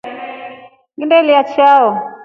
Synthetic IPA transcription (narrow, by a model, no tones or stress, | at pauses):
ɡindɛliat͡ʃaɔ